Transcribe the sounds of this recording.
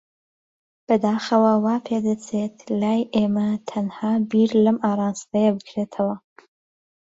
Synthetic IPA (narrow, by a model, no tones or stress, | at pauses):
b̥ɐd̪aːxɐwɐwaːpʰeːd̪ɐt͡sʰet̪laːjʔeːmɐt̪ʰɐnhaːbiɾlɐmʔaːrˤɑːnst̪ɐjɐbɨkʰɾet̪ʰɐwɐ